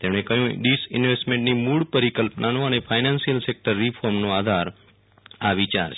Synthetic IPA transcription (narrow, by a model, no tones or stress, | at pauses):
t̪emɽ̃ekəɦjũɖisɪnʋesʈmẽɳʈnimuɽpəɾikəlpnʔanõənefʰajnansijəlsek̚ʈəɾːifʰɔɾmnõad̪ʱaɾ | aʋit͡ʃaɾt͡ʃʰ